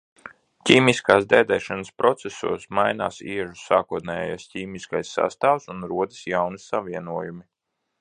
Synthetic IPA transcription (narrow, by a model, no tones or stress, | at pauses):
cʲiːmiskaːsd̪ɛːd̪ɛːʃanəspɾɔt̪sɛsṵɔsmajna̰ːsiɛʒusaːkuɔt̪nɛːjɛ̰jasciːmiskajsːa̰st̪aːwsunɾuɔd̪i̥sjawnisaviɛnuɔjumi